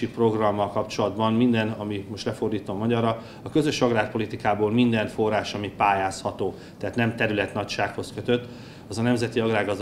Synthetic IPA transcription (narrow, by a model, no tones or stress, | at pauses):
ipro̞ɡrɒmːɒlkɒpt͡ʃo̞lɒd̪bɒnmind̪ɛnɒmimo̞ʃt̪lɛfo̞rd̪iːt̪o̞mːɒɟɒrːɒ | ɒkø̞zø̞ʃɒɡraːk̚po̞lit̪ikaːboːlmind̪ɛnfo̞rːaːʃɒmipaːjaːshɒt̪oː | t̪ɛɦaːt̪nɛmt̪ɛɾylɛt̪nɒcʃaːkho̞skøt̪ø̞t̪ː | ɒzɒnɛmzɛt̪iɒɡraːɡɒzd̪